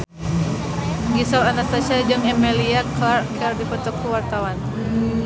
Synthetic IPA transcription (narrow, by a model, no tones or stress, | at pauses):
ɡisɔlanast̪asad͡ʒəŋɛmɛliaklarkʰɛrdipɔt̪ɔkːuwart̪awan